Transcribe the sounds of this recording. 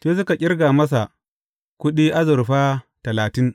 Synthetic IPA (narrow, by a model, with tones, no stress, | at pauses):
teː˦s̬ʊ˦ka˨kʲʼɪ˦rɡaː˨mɐ˦s̬a˨ʔ | kʷʊ˦ɗiː˦ʔa˦zʊ˨ɾɸaː˦tɐ˨laː˨tɪ˦ŋ